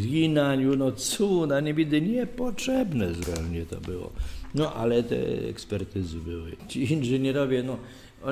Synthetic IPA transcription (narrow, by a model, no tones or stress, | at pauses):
ɡʲinaɲunɔt̪sunaɲɛbʲid̪ɪɲɛpɔtʂɛbnɛzɾɛmɲɛt̪ɔ̰bɪwɔ̰nɔʔa̰lɛt̪ɛ̰ɛ̰kspɛɾt̪ɘzɨbɘwɪ̰t͡ɕiinʐɛɲɛɾɔvʲjɛnɔ | ɔ